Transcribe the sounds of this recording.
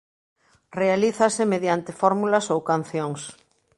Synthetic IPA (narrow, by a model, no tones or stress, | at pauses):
realiθasɪmeðjant̪ɪfɔɾmulɐsowkan̟θjoŋs